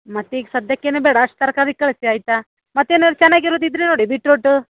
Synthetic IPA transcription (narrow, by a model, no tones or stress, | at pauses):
mɐt̪ːiːɡesɐd̪jɐkːeːnubeːɽɐɐʂʈ̚t̪ɐɾɐkad̪ikkːɐɭsiaːjt̪a | mɐt̪ːeːnoɾt͡ʃɛnːaːɡiɾoːd̪id̪ɾenoːɽibiʈɾoːʈːu